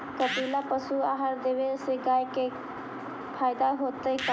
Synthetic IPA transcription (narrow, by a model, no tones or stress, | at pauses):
kəpiːlapəsuaːɦaɾd̪eːʋeseɡaːjke | pʰaːjɪd̪aɦoːt̪ək